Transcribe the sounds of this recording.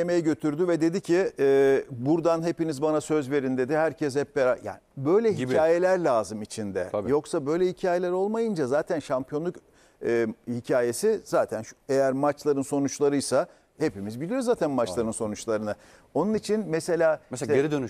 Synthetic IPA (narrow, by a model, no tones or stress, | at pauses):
emejɛɟø̞t̪ʰyɾd̪yvɛd̪e̞d̪icʰiɛːbuɾd̪anɦe̞pinizbanasø̞zve̞ɾind̪e̞d̪ihæɾcʰɛs̬hɛpbeɾaja̰ːnbø̞jlʲɛɦicʰaːje̞lʲæɾlʲaːzɯmit͡ʃʰind̪ɛ̰ajo̞ksabø̞jlʲɛhicʰaːje̞lʲæɾo̞lˠmajɯnd͡ʒazaːt̪ʰænʃampʰijonˠukː | hicʰaːje̞siz̥aːt̪ʰænʃejæɾmat͡ʃlˠaɾɯnso̞nut͡ʃlˠaɾɯjsa | he̞pimizbilʲijo̞ɾzaːt̪ʰænmat͡ʃlˠaɾɯnso̞nut͡ʃlˠaɾɯnɯ | o̞nunit͡ʃʰinmese̞lʲaːmseɾid̪øny